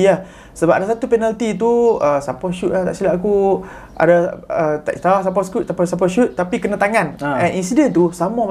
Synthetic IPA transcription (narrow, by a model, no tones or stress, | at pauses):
a | səbap̚ʔadasat̪upɛnalt̪it̪̬uəsapɔʃut̪̚lat̪a̰ʔsilaʔaku | ʔa̰daət̪a̰ʔst̪as̬ap̬ɔskuʔ̪̚sapɔsap̬ɔʃut̪̚ːapikənat̪aŋãnɛninsidɛnt̪usamam